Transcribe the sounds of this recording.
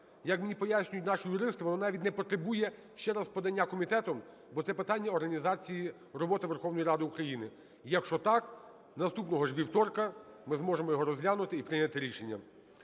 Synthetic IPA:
jɐkmenʲipɔjasʲnʲʊjʊtʲnɑʃʊjʊɾɪst̪ɪʋɔnɔnɑʋʲidʲnɛpɔt̪ɾebujɛ | ʃt͡ʃɛɾazpɔd̪ɐnʲːakɔmʲit̪ɛt̪ɔm | bɔt̪sɛpɪt̪ɑnʲːɐɔɾɦɐnʲizɑt͡sʲiji | rɔbɔt̪ɪʋerxɔwnɔjiɾɑd̪ɪukɾɐjinɪ | ijɐkʃt͡ʃɔt̪ɑk | nɐst̪upnɔɦɔʐʋʲiwt̪ɔrkɐmɪzmɔʒemɔjɔɦɔɾɔzlʲanʊt̪ɪipɾɪnʲɐt̪ɪɾʲiʃenʲːɐ̰

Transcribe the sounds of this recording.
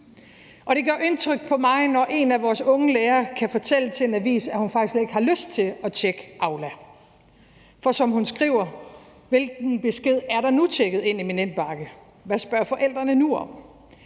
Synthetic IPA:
ʔɒ̽ɾ̥e̝ɡ̥ɶɐ̰ʔe̝nt͡sʰʁœɡ̥̚pʰɒ̽mɑ̈ɪnɒʔe̝næʋɒːsɔ̽ŋəleːɐkʰæfɒ̽t͡sʰel̰ət͡sʰe̝e̝næʋḭːsæhunfɑɡ̥islee̝ɡ̥hɑ̈løsd̥̚t͡sʰe̝ɒ̽t͡ɕʰeɡ̥əʔɑ̈ʊlæ | fɒ̽sɒ̽mhunsɡ̥ʁḭːʊ̰ɐ | ʋe̝lɡ̥n̩b̥e̝sɡ̥e̝ð̞̰ˠæɐɾ̥ɑ̈nut͡ɕʰeɡ̥ð̩ˠe̝n̰iminen̰b̥ɑ̈ɡ̥ə | ʋæsb̥ɶɐfɒ̽ʔel̰d̥ʁɐnənuɒ̽m̰

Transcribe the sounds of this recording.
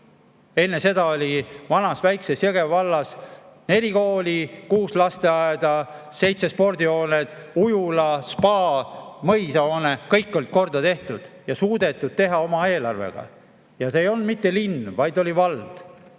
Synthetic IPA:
e̞nːe̞se̞d̪ɑo̞lʲivɑnɑsvæjksesjeɡevɑlːɑsne̞lʲiko̞ːlʲikuːslɑst̪e̞ɑed̪̥ɑ | se̞jt̪se̞spo̞rd̪io̞ːned̪̥ | ujulɑspɑːmɤjsɑo̞ːnekɤjkːo̞lt̪̚ko̞rd̪̥ɑt̪e̞ht̪ud̪̥jɑsuːd̪e̞t̪ːˑud̪̥̚t̪e̞ɦɑo̞mɑe̞ːlɑ̰rvḛɡ̥ɑ̰ | jɑseejo̞lnd̪mit̪ːe̞linːvɑjd̪o̞lʲivɑld̪̥

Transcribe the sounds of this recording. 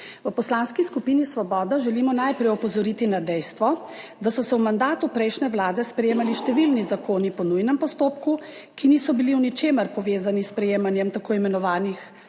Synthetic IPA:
ʋəpɔslanskiskupiːnisʋɔbɔːd̪aʒɛlimɔnajpɾɛjɔpɔzɔɾit̪inad̪ɛjst̪ʋɔ | d̪asɔsɛwmand̪aːt̪upɾɛjʃnɛʋlaːd̪ɛspɾɛjeːmaliʃt̪ɛʋilnizakoːnipɔnujnɛmpɔst̪oːpku | kinisɔbiliwnit͡ʃeːməɾpɔʋeːzanispɾɛjeːmanjɛmt̪akoːimɛnɔʋaːnix

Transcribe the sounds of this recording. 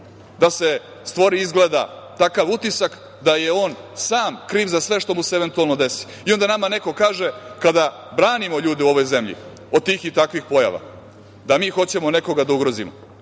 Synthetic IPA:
d̪ase̞ | st̪ʋo̞ɾiizɡleːd̪a̰ | t̪akaʋut̪isak | d̪aje̞o̞ːnsaːmkɾiːʋzasʋe̞ʃt̪o̞museeʋe̞nt̪ualˠno̞d̪e̞si̥ | io̞nd̪anamane̞ko̞kaːʒekad̪a | bɾaːnimo̞ʎuːd̪euo̞ʋo̞jze̞mʎḭ | od̪̚t̪iːxit̪akʋixpo̞ja̰ʋa̰ | d̪amiːxo̞t͡ɕemone̞ko̞ɡad̪auɡɾozimo

